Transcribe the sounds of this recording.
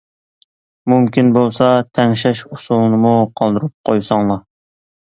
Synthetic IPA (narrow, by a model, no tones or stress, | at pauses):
mumkʲinbolˠsɑt̪ʰɛŋʃɛʃusulˠnɨmuqʰɑlˠd̪ɨɾup̚qʰojsɑŋlˠɑ